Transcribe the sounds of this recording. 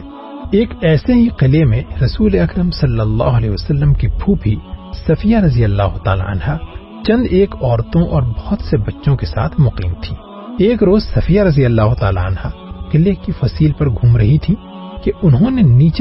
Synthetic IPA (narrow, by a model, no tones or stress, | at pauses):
eːkɛːseɦiqɪlemẽɾɐsuːleɐkɾəmsɐlːəlːa̰ːɦʊɐlɛ̰ːɐsɐlːəmkibʰʱuːpisɐfijaɾɐzijəlːaːɦʊt̪a̰ːla̰ʔɐ̰nɦa | t͡ʃɐ̃nd̪eːkɔːɾt̪õʔɔːɾbɐht̪sebɐtːʃõkesa̰ːt̪ʰmʊqḭːmt̪ʰiː | eːkɾoːzsɐfijaɾɐzijəlːaːɦʊt̪aːla̰ɐnhaqɪlekifɐsiːlpɐɾɡʱuːmɾɐɦit̪ʰi | keʔʊnɦõneniːt͡ʃ